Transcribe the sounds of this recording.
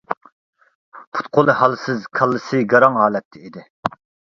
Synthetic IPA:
pʰu̥t̪qʰolˠɨhɑlˠsɨzkʰɑlˠːɨsɨɡɑɾɑŋɦɑːlɛt̪ʰːɪid̪ɪ

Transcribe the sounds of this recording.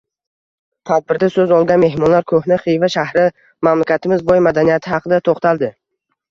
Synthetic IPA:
t̪ʰad̪̚bɪɾd̪asɵzɒlˠɡʲanme̞hmɒnlaɾkʰɵhnɪχijvaʃahɾɪ | mamlakʲʰat̪ʰɪmɪzbɒjmad̪anijat̪ʰɪhɑqʰɨd̪at̪ʰoχt̪ʰalˠd̪ɪ

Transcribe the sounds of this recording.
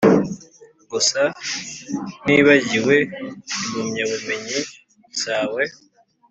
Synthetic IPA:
ɡusa | niβaɟiwe̞mumɲaβumeɲi | usawe

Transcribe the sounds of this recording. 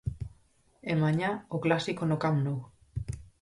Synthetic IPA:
emaɲaoklasikonokamnow

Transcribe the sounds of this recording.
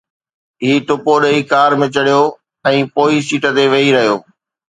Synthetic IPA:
ɦiːʈʊpoɗɐikaːɾmɪ̃t͡ɕɐɽijoː | ɛ̃ːpoːisiːʈət̪eʋɐiɾɐɦijoː

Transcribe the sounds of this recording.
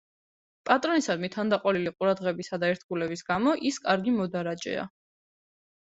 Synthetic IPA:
pʼat̪ʼɾɔnisad̪mit̪ʰand̪aqʼɔliliqʼuɾad̪ʁɛbisad̪aɛɾt̪ʰɡulɛbisɡamɔʔiskʼaɾɡimɔd̪aɾat͡ʃʼɛ̰a̰

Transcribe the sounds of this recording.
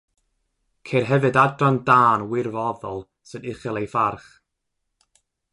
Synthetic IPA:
kʰerɦɛvɨdadrandaːnwɪrvɔðɔlˠ | sɨnɪχɛlˠejfarχ

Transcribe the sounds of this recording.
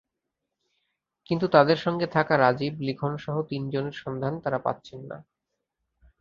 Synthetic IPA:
kint̪ut̪ad̪eɾʃɔŋɡet̪ʰakaɾad͡ʑiblikʰonʃɔɦot̪ind͡ʑoneɾʃɔnd̪ʱant̪aɾapa̰t̪ːɕʰenːa̰

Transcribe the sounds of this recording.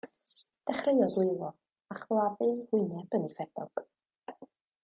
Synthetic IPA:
d̥ɛχreɨjɔɡwɪjlˠɔ | aχlˠaðɨnhʊɨnɛbənifɛd̥ɔɡ̥

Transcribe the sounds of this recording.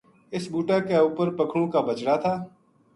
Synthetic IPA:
ɪsbuːʈakeuːpəɾpəkʰɽ̃õːkabət͡ʃɽaːt̪ʰaː

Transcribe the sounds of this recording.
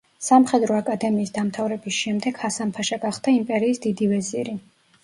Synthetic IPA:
samχɛd̪ɾɔakʼad̪ɛmiːsd̪amt̪ʰavɾɛbisʃɛmd̪ɛɡ̥hasampʰaʃaɡaχd̪aimpʼɛɾiːsd̪id̪ivɛziɾi

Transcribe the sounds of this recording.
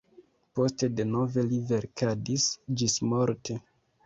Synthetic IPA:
po̞ste̞de̞no̞ve̞live̞ɾkʰadisd͡ʒismo̞ɾtʰe

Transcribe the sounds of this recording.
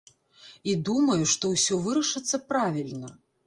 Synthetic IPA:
id̪umɐjuʂt̪ɔwsʲɔvɨɾɐʂɨt̪sːɐpɾavʲilʲnɐ

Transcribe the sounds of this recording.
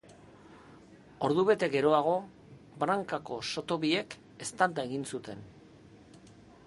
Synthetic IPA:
o̞ɾðuβe̞t̪e̞ɡe̞ɾo̞aɣ̞o̞ | bɾaŋkako̞so̞t̪o̞βie̞k | e̞st̪ald̪ae̞ɣinsut̪e̞n

